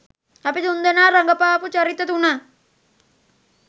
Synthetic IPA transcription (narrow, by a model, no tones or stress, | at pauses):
ɐpit̪und̪enaːɾɐŋɡɐpaːput͡ʃɐɾit̪ːɐt̪una